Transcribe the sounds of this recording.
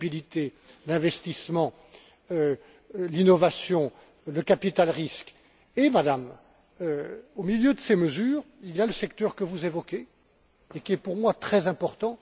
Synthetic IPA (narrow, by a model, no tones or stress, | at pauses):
bilit̪e | lɛ̃vɛst̪ismɑ̃ | ø | linɔvasjɔ̃ | ləkapit̪alʁisk | emad̪am | øomiljød̪əseməzyːʁiljaləsɛkt̪œʁkəvuzevɔkʲeː | kʲiɛpuʁmwat̪χɛzɛ̃pɔʁt̪ɑ̃